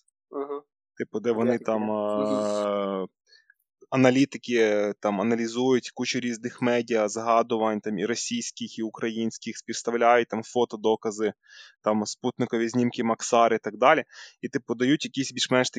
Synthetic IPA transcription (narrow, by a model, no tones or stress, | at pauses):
ɦ̩ | t̪ɪpʊd̪ɛʋɔnɪt̪ɑm | ɐnɐlʲit̪ɪkʲɪt̪ɑmɐnɐlʲizujʊtʲkut͡ʃʊɾʲiznɪxmɛdʲijɐzɦɑd̪ʊʋɐnʲt̪ɑmiɾɔsʲijsʲkɪxiʊkɾɐjinʲsʲkɪxsʲpʲist̪ɐwlʲajʊt̚ʲt̪ɑmfɔt̪ɔd̪ɔkɐzɪ | t̪ɑmsput̪nɪkɔʋʲizʲnʲimkɪmɐksɑɾɪt̪ɐɡ̚d̪ɑlʲiit̪ɪpʊd̪ɐjutʲjɐkʲisʲbʲilʒmɛnʃt̪